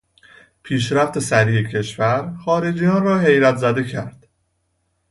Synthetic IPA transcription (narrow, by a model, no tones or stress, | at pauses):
pʰiːʃɾæft̪ʰe̞sæɾiːecʰe̞ʃvæɾxɒːɾed͡ʒijɒːnrɒːɦe̞jɾæt̪ʰzæd̪ecʰæɾd̪̥